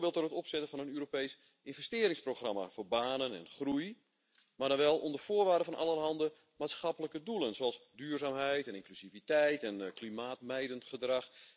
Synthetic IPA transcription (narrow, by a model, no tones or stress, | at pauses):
bɪːlˠtdorətɔpsɛtəfɔnənøːɾopejs | ʔɪnvɛstɪːɾɪŋsproxrama̰foːrbaːnənɛ̰nχruj | mardɔnʋɛlˠondəfoːərʋaːrdəfɔnʔa̰lˠərɦɑndə | maːtsxapələkədulənsoɛlˠsdyːrzaːmɦɛjtɛnɪŋklysivitɛjtɛnklimaːtmɛjdəntχədrax